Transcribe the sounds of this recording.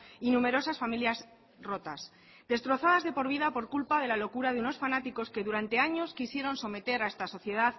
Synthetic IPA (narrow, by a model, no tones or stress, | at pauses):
inume̞ɾo̞sasfamiljaz | ro̞t̪as | d̪e̞st̪ɾo̞θaðazðe̞po̞ɾβ̞iðapo̞ɾkulpaðe̞lalo̞kuɾaðeuno̞sfanat̪iko̞ske̞ðuɾant̪e̞aɲo̞skisje̞ɾo̞nso̞me̞t̪e̞ɾae̞st̪aso̞θje̞ð̞að